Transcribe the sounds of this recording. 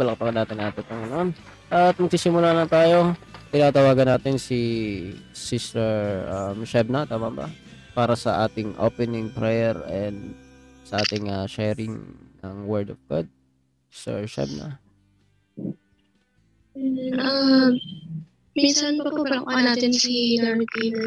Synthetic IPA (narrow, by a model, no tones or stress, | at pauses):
bɐlɐk̚pɐkɐnaːt̪ɪnʔaːt̪ɪp̪ɐŋɡɐnoʔon | ʔɐt̪̚mɐɡ̚sisɪmʊlaːlɐnt̪aːjo̞t̪ɪnaːt̪ɐwaːɡɐnaːt̪ɪnsi | sist̪ɛɹʔamʃɛb̚nɐt̪aːmɐbɐ̰paːɾɐsɐʔaːt̪ɪŋʔo̰pɛnɪŋpɾɛjɛɹɛnd̪sɐʔaːt̪ɪŋaʃɛɾɪŋnɐŋwɛɹd̪ofɡo̰d̪̚ | si̥st̪ɛ̰ɹʃɛ̰b̚nɐ̰ | a | misɐnɐʔanaːt̪ɪnsid̪aɾbi